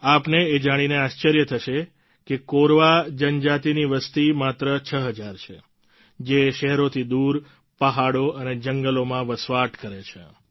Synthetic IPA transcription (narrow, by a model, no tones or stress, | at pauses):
apneːd͡ʒaɽ̃ineaʃt͡ʃəɾjət̪ʰəʃe | kekoɾʋad͡ʒənd͡ʒat̪iniʋəst̪imat̪ɾət͡ʃʰəɦəd͡ʒaɾt͡ʃʰe | d͡ʒeʃɛɦɛɾot̪ʰid̪uɾ | pəɦaɽoəned͡ʒəŋɡəlomãʋəsʋaʈkəɾet͡ʃʰḛ